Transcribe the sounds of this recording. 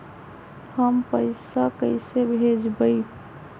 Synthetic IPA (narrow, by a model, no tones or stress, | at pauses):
həmpəɪsakəɪsebʱed͡ʒbəi